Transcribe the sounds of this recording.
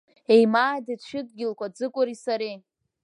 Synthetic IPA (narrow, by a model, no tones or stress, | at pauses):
ejmaːdiʃᶣɪd̚ɡʲɪlkʷʰad͡zɨkʷʼʊɾisaɾe